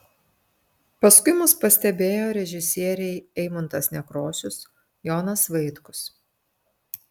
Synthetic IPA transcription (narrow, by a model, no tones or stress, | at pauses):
pɐskʊɪmʊspɐsʲt̪ʲɛbʲeːjoːɾʲɛʒʲɪsʲiɛɾʲɛɪɛɪmʊnt̪ɐsnʲɛkɾoːsʲʊs | jɔːnɐsʋɐɪt̪kʊs